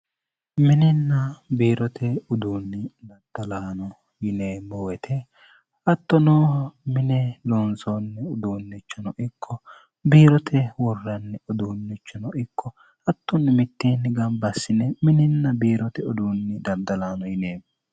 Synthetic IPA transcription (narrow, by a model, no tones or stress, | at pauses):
mɪnɪnːɐbeːɾɔt̪ʰɛʊd̪uːnːɪd̪ɐd̪̥ɐlaːnɔ | jɪneːmːɔwɛt̪ʰɛ | ɐt̪ːɔnɔmɪnɛlɔnsɔnːɛʊd̪uːnːɛt͡ʃːɔnɔʔɪkʰːɔ | biːɾɔt̪ʰɛwɔrːɐnːɛɔd̪uːnːɪt͡ʃːɔnɔʔɪkːɔ | ɐt̪ːɔnːɪmɪt̪ːeːnːɪɡɐmbɐsːɪnɛmɪnɪnːɐbiːɾɔt̪ɛɔd̪uːnːɪd̪ɐɾd̪ɐlaːnɔjɪneːmːɔ